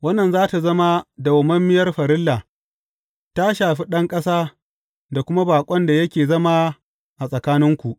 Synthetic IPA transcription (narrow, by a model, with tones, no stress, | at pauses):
wɐ˦nːɐ˨nzaː˦ta˨zɐ˦ma˦da˨wʊ˨mɐ˦mːɪ˦jɐ˦rɸɐ˨ɾɪ˦lːa˨ | ta˦ʃaː˨ɸi˦ɗɐ˦ŋkʼɐ˦saː˦ | da˨kʷʊ˦ma˦baː˨kʷʼɔ˦nda˨jɐ˦kʲeː˨zɐ˦ma˦ | ʔa˨sʼɐ˨kaː˦nɪ˦ŋkʷu˨ʔ